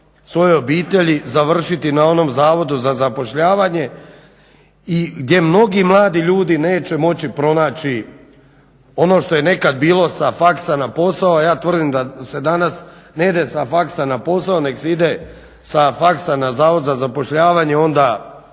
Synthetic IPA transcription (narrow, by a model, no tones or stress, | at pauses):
sʋo̞jeo̞biːt̪e̞ʎizaʋr̩ʃit̪inao̞no̞mzaːʋo̞d̪uzazapo̞ʃʎaːʋaɲe̞ | iɡd̪ʲje̞mno̞ɡimlˠaːd̪iʎuːd̪ine̞ːt͡ɕe̞mo̞t͡ɕipɾo̞naːt͡ɕi | o̞no̞ʃt̪o̞je̞ne̞kad̪̚biːlo̞safaksanapo̞saoajaːt̪ʋr̩d̪imd̪ase̞d̪anasneid̪esafaksanapo̞saone̞ɡseid̪e | safaksanazaːʋod̪zazapo̞ʃʎaːʋaɲe̞o̞nd̪a